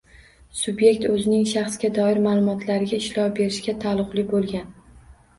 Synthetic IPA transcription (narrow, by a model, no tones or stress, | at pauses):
sʊbje̞k̚ʲt̪ɵzɪnɪŋʃaχsɡʲad̪ɒɪɾmaːlˠʊmɒt̪ʰlaɾɪɡʲaɪʃlɒwbe̞ɾɪʃkʲat̪ʰalˠʊqlˠɪbolˠɡʲan